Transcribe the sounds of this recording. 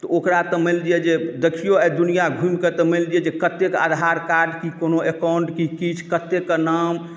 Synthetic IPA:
t̪ɔokɾat̪ɔmild̪ijɛd͡ʒed̪əkʰijoɛd̪unijaɡʱũmket̪ɔmild̪ijɛd͡ʒekət̪ːeka̰d̪ʱaɾkaɾɖkikonoekauɳʈkikit͡ʃʰkət̪ːeknam

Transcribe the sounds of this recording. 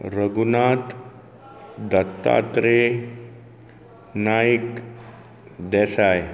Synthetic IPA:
ɾəɡunat̪ | d̪ət̪ːa̰t̪ɾe | najik | d̪ɛsaj

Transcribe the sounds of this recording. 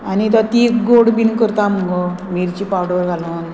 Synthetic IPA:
anit̪at̪ikɡoɽbinkəɾt̪aməɡo | miɾt͡ɕipaɽəɾɡʱalun

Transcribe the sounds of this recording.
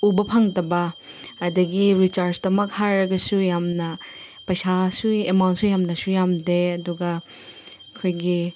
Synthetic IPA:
ubɐpʰɐŋtɐbɐː | dɐɡiɾit͡ʃaɾsdɐmɐk̚hajɾɐɡɐsujamnɐ | pɐjsasuemawnt̚sujamnɐsujamdeɐduɡɐ | kʰojɡi

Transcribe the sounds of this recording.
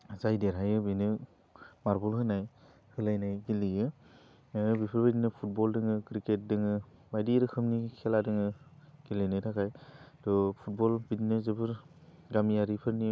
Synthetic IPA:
zajdeɾɦajɯbɯnɯ | maɾbɔlɦɯnaj | hɯlajnajɡilijɯ | bipʰɯɾbadinɯpʰut̚bɔldɯŋɯkɾiket̚dɯŋɯbajdiɾɯkʰɯmnikʰɛladɯŋɯɡ̥ilɯjnajtʰakʰajdɔpʰut̚bɔlbidinɯzɯbɯɾɡamiaɾipʰɯɾni

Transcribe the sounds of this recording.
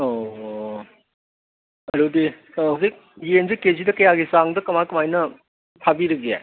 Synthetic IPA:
o | ɐɾudi | ɐwzik̚jenzekezidɐkɐjaɡisaŋdɐkɐmajkɐmajnɐ | pʰabiɾɐɡia̰

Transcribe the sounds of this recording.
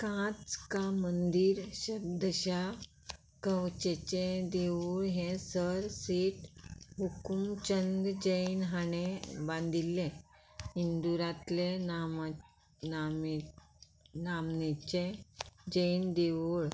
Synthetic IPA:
kãt͡skamənd̪iːɾɕəb̚d̪ʱəɕa | kə̃wt͡ɕet͡ɕẽd̪eʋuɭɦẽsəɾsiʈɦukumt͡ɕənd̪d͡ʑəjnɦaɳ̃ebãnd̪ʱilːẽ | ɦind̪uɾãt̪le | nam | namnet͡ɕẽd͡ʑəjnd̪eʋuɭ

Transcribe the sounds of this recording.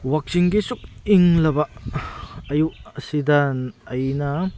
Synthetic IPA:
wak̚siŋɡisuk̚iŋlɐbaʔ | ɐjuʔɐsid̪anɐjnɐ

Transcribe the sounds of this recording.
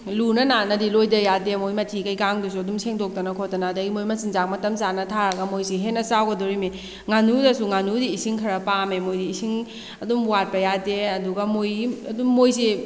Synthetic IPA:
lunɐnanɐdilojdɐjademojmɐtʰikɐjkaŋdus̬uɐdumseŋdok̚tɐnɐkʰotɐnaːdɐɡimojmɐsiŋzak̚mɐtɐmsanɐtʰaɾɐɡɐmojsiɦenːɐsawɡɐdɔɾime | ŋanudɐsuŋanudiːsiŋkʰɐɾɐpamemojdiːsiŋ | ɐdumwat̚pɐjadeɐduɡɐmojɐdumːojsi

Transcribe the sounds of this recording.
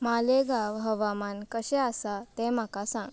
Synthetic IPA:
maleɡaʋɦəʋamankəɕɛasat̪ɛm̤akasãŋɡ

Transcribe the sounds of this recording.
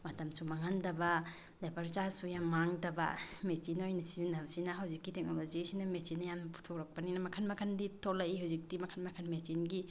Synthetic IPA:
mɐtɐmsumaŋandɐba | lajpaɾt͡ʃaɾsujammaŋdɐba̰mesinojnɐsizinabsinɐɦawzikːiteŋɔbɐzisinamesinːajanɐpu̥tʰɔkɾɐk̚paninɐmɐkʰanmakʰanditʰolaihawzik̚dimɐkʰanmakʰanmesinɡi

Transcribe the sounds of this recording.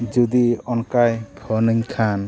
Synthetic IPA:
d͡ʒud̪iɔnkajbʱʰɔnəɲkʰan

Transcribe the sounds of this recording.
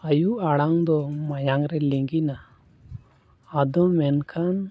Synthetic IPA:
ajuʔaɽaŋd̪ɔmajaŋɾɛliŋɡina | ad̪ɔmɛnkʰan

